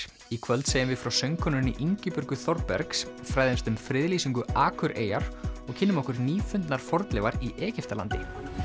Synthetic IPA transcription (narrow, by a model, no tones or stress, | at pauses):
ikʰvœlt̪seːjɪmvɪðfɾawsœɥŋkʰɔnʏniʔiɲcɪpʏɾkʏθɔɾt̪̚pɛ̰ɾks | fɾajðemst̪ʏmfɾɪðliːsiŋkʏaːkʰʏɾʔḛːjaɾ̥ɔɣcʰɪnːɪmɔhkʏɾniːfʏnt̪naɾ̥fɔɾt̪lɪvaɾiʔɛːcɪft̪ala̰nt̪ɪ